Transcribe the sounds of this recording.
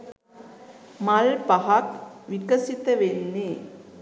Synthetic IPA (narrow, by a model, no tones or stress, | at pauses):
malpaɦakʋikəsit̪əʋenːe